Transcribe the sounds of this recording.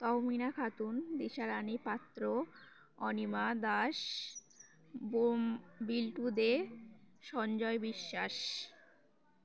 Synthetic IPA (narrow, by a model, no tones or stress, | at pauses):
t̪ɔminakʰat̪und̪iʃaɾanipat̪ːɾo | ɔnimad̪aʃ | bombilʈud̪e | ʃɔnd͡ʑɔebiʃːaʃ